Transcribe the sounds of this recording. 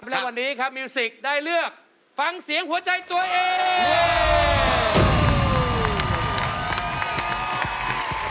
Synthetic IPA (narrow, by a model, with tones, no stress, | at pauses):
p̚lɛː˦˥˩wa˧nːiː˦˥kʰa˦˥p̚miː˧si˨˩k̚daː˥˩jlɯ˥˩ək̚ | fa˧ŋsi˨˩˦əŋɦu˩˦ɐt͡ɕa˧jt̪u˧ɐʔeː˧